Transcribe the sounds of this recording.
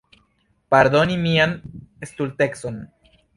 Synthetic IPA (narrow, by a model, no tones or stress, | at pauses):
paɾd̪o̞nimianest̪ult̪ekso̞n